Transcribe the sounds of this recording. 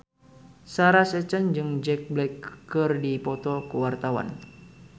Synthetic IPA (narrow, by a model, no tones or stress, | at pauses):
saɾasɛt͡ʃand͡ʒɨŋd͡ʒɛk̚blɛkːərdipɔt̪ɔkəwart̪awa̰n